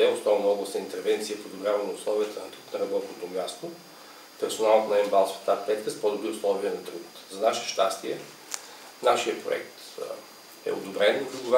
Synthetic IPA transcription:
ɛʊsnɔvnɔblˠəsnəint̪ɛɾvɛnt̪sijəfod̪ʊbɾʲavənɐʊslˠɔviət̪ənɐt̪ɾut̪nɐɾɐbɔt̪not̪ʊmʲjast̪ʊ | pɛɾsʊnalˠot̪nɐɛmbalˠsfə̥t̪apɛt̪kəspɔd̪ʊbɾiʊslˠɔviənɐt̪ɾut̪ | zɐnaʃɛ̥ʃt̪ast̪iɛ | naʃiəpɾo̰ɛ̰kt̪ | ɛ̰ʊ̰d̪ʊbɾɛnpɾiɡʊva

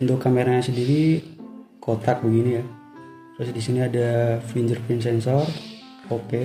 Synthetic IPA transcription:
unt̪ʊkːameɾaɲasədiɾi | kʰot̪ak̚bəɡinija | t̪ɾʊsdisiniadafiɲd͡ʒərpins̬ɛnsɔr | oke

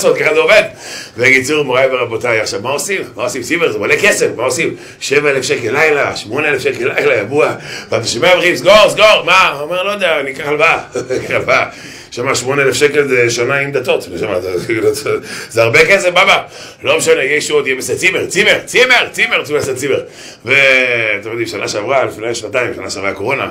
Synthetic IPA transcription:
sot̪̚kaχazeove̞d̪veɡit͡suʁmoʁajveʁabot̪ajaχʃavmaosimːaosimt͡simeʁzebalekesefmaosim | ʃevaelefʃekelːajlaʃmo̞neelefʃekelajlajabuavatiʃimaaveχimsɡo̞ʁsɡoʁmaomeʁlod̪eaːnikaχalbakaχalva | ʃamaʃmo̞neelefʃeke̞lzeʃanaimd̪at̪o̞t̪oʃamazalozeaʁbekesefbaba | lo̞mʃanejejʃeot̪ijeeset͡simeʁt͡simeʁt͡sime̞ʁt͡simeʁt͡simaset͡simeʁ | vet̪emid̪imʃanaʃeavʁalifnajʃnat̪aimʃa̰naʃeavʁako̞ʁo̞na

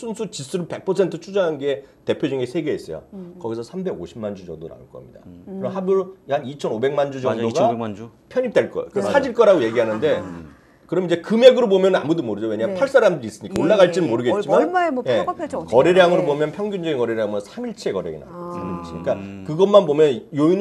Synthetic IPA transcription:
sʰunsʰut͡ɕis͈uɾɯɭpe̞k̚pʰʌsʰe̞ntʰɯt͡ɕʰud͡ʑʌŋɦanɡe̞te̞pʰjod͡ʑuŋesʰe̞ɡe̞es͈ʌjo̰kʌɡisʰʌsʰambe̞ɡoɕʰimand͡ʑud͡ʑʌŋdoɾa̰nɯnk͈ʌ̰mɲida̰kkɯɾʌmɦabuɾojanit͡ɕʰʌnobe̞ŋmand͡ʑud͡ʑʌŋdoɡapʰjʌɲip̚t͈eɭk͈ʌ̰kɯad͡ʑiɭk͈ʌɾaɡoje̞ɡiɦanɯnde̞ | kɯɾʌmid͡ʑe̞kɯme̞ɡɯɾobomjʌnɯna̰mudomoɾɯd͡ʑowe̞ɲampʰaɭs͈aɾamdɯɾis͈ɯɲik͈aoɭːaɣaɭt͡ɕ͈inɯnmoɾɯɡe̞t͡ɕimanje̞kʌɾeɾjaŋɯɾobomjʌnpʰjʌŋɡund͡ʑʌɡinkʌɾeɾjaŋsʰamiɭt͡ɕʰe̞kʌɾjḛɡḭna̰ɲik͈akɯɡʌmanbomjʌnjoin

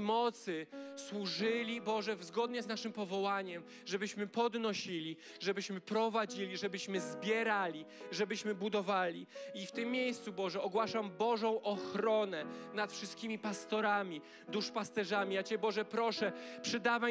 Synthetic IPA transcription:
mɔt̪sɘswuʐɘlʲibɔʐɛvzɡɔd̪ɲɛznaʂɘmpɔvɔwaɲɛm | ʐɛbɘɕmɘpɔd̪nɔɕilʲi | ʐɛbɘɕmɘpɾɔvad͡ʑilʲiʐɛbɘɕmɘzbʲjɛɾalʲiʐɛbɘɕmɘbud̪ɔvalʲiift̪ɘmːjejst̪subɔʐɛɔɡwaʂambɔʐɔ̃w̃ʔɔxɾɔnɛnat̪fʂɘst̪̚kʲimʲipast̪ɔɾamʲi | d̪uʂpast̪ɛʐamʲijat͡ɕɛbɔʐɛpɾɔʂɛpʂɘd̪ava

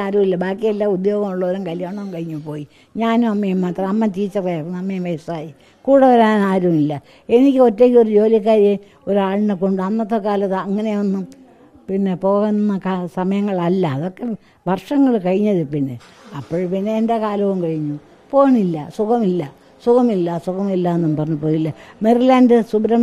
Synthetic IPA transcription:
aːɾumilːɐbaːkːijelːaud̪jo̞ːɣɐmuɭːɐoɾumkɐljaːɳɐʋumkɐɻiɲːupːo̞ːji | ɲaːnumɐmːɐjumːaːt̪rɐɐmːɐt̪iːt͡ɕːɐrejrunːɐmːɐjɐmʋɐjɐsaːji | kuːɽɐʋɐɾaːnaːɾumilːɐ | e̞nikʲːɨo̞tːe̞ːkʲːio̞ɾud͡ʑo̞ːlɐk̬ːaːɾje | oɾaːɭnɨko̞ɳɖɨɐnːɐt̪ːokːaːlɐt̪ːɨɐŋːɐneɐnːu | pinːe̞po̞ːɣennːɐkasɐmɐjɐŋːɐɭɐlːɐːðo̞kːe̞ | bʱɐrʂɐŋːɐɭkɐɻiɲːɐðɨpinːe̞̰ | ɐpːoːɻpinːe̞ːndekaːlɐʋumkɐɻiɲːu | po̞ːɣɐɳilːɐsukɐmilːɐ | sukɐmilːɐsukɐmilːaːenːɐmːpɐrɐɲːupoːjilːɐmirilaːndɨsubɾɐ

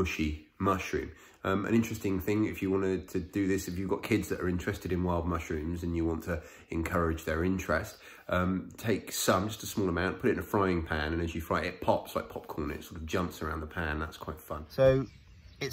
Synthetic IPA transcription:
ʊʃimʌʃɹʉ̰̃ːm | ʌ̃mə̰̃nɪ̃nt͡ʃɹ̥ɛstɪ̃ŋθɪ̃ŋɪfjəwɒ̃nɪtʰɨdɨðɪsɪfjəvɡɒʔ̚kʰɪdzðəɾə̰ɹɪ̃nt͡ʃɹ̥ɛstɪɾɪ̃nwaɪlˠd̚mʌʃɹʉ̃mzə̃njəwɒ̃ntʰə | ɪ̃nkʰʌɹɪd͡ʒðəɹɪ̃nt͡ʃɹ̥ɛst | ʌ̃mtʰeɪksʌ̃md͡ʒʌstəsmɔːlˠəmãʊ̃npʰʊɾɪɪ̃nəfɹaɪɪ̃ŋpʰæ̃nə̃nəzjəfɹaɪʔɪʔ̚pʰɒpslaɪk̚pʰɒp̚kʰɔːnɪ̰ɪtsɔɾəvd͡ʒʌ̃mpsəɹãʊ̃nðəpʰæ̃nðæ̰tskʰw̥aɪtfʌ̃nsoʊ | ɪt

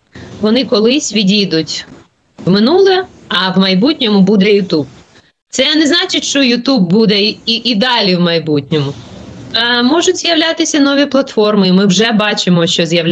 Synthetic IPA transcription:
ʋɔnɪkɔlˠɪsʲʋʲidʲid̪ʊtʲ | wmɪnulˠɛ | ɐwmɐjbutʲnʲɔmʊbud̪ɛjʊt̪ub | t̪sɛnɛznɑt͡ʃɪtʲʃt͡ʃɔjʊt̪ubːud̪ɛiʔid̪ɑlʲiwmɐjbutʲnʲɔmʊ | mɔʒʊtʲz̥jɐʋlʲat̪ɪsʲɐnɔʋʲiplˠɐt̪fɔrmɪimɪwʒɛbɑt͡ʃɪmɔʃt͡ʃɔzʲjɐ

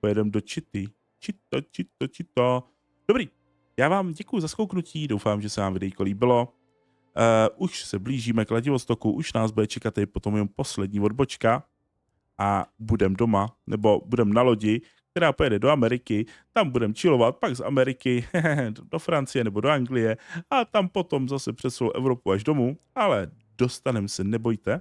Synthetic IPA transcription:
pojɛdɛmdot͡ʃɪt̪ɪ | t͡ʃɪt̪ot͡ʃɪt̪ːot͡ʃɪt̪o | d̥obɾiː | jaːvaːmɟɛkujuzaskowknuciːdo̞wfaːmʒɛsɛvaːmvɪdɛjikoliːbɪlo̞ | ʔuʃsɛbliːʒiːmɛklaɟɪvo̞st̪o̞kuʔuʃnaːzbudɛt͡ʃɛkat̪ːɛdɪpot̪omjɛompo̞slɛdɲiːvo̞dbot͡ʃka | ʔabudɛmdo̞manɛbo̞budɛmnalo̞ɟɪ | k̚t̪ɛɾaːpojɛdɛdo̞amɛɾɪkɪt̪ambudɛmt͡ʃɪlo̞vat̪̚paɡza̰mɛɾɪkɪ | do̞fɾant͡sɪjɛnɛbo̞doaŋɡlɪjɛat̪ampo̞t̪o̞mzasɛpr̝̥ɛt̪slo̰wʔɛ̰vɾo̞puaʒdo̞mualɛ | do̞st̪anɛmsɛnɛbo̞jt̪ɛ

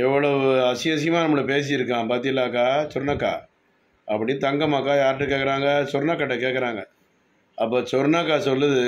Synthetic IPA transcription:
ɛʋːɐɭɐʋɯɐsɪjɐs̬ɪjɐmaːnɐmːɐɭɐpeːs̬ɪjɪɾɯkːãːpaːɾt̪ɪ̃ŋɪlːaːkːaːsɔɾnɐkːa̰ː | ɐpːɐɽɪnɯt̪ɐŋɡɐmaːkːaːjaːɾʈːɯkeːkːɐɾaːŋɡɐsɔɾnakːɐʈːɐkeːkːɐɾaːŋɡɐ | ɐpːoːt͡ʃɔɾnakːaːsɔlːɯðɯ

